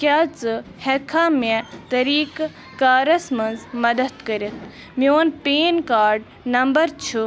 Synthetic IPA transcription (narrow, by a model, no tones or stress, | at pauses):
kʲaːt͡sɨhekʰaːmet̪ɐɾiːkː | aːɾɐsmɐnzmɐd̪ɐt̪kəɾit̪̚ʰ | mioːnpeːnkaːɾɖ | nɐmbɐɾt͡ʃʰu